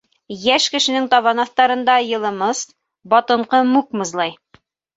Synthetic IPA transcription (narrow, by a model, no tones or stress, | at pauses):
jæʃkɘ̆ʃɘ̆nɘŋt̪ɑβɑnɑθt̪ɑɾɤ̆nd̪ɑjɤ̆lˠɤ̆mɤs | bɒt̪ɤ̆ɴqɤmʉkmɤ̆zlˠɑj